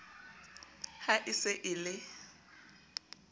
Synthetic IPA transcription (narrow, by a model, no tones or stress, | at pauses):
haʔɪsɪʔɪlɪ